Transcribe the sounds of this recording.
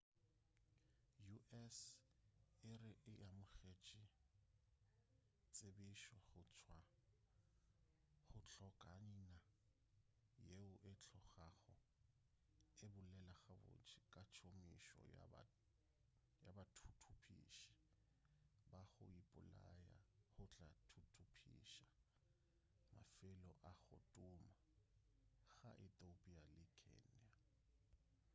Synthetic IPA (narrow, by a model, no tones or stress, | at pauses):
juʔɛs | ɪrɪʔɪamʊχet͡ʃʼɪ | t͡sʼebɪʃwaχʊt͡sʰwa | χʊt͡ɬʰɔkʼaɲina | jeʊʔɪt͡ɬʰɔχaχʊ | ɪbʊlɛlaχabʊ̰t͡ʃʰʼɪkʼat͡ʃʰomiʃɔ̰ | jabatʰutʰupʰiʃḁ | baχʊ̰ipʼʊlaja̰hʊt͡ɬʼatʰutʰupʰḭʃa | ma̰fɪlɔʔaɣʊtʼʊma | ɣa̰ʔɪt̪ʼopʼialɪkʰɛ̰na